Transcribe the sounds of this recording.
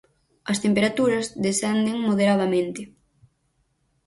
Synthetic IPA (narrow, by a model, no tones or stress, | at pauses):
ɐst̪empeɾat̪uɾɐzðesɛnd̪eŋmoðeɾaðamẽnt̪ɪ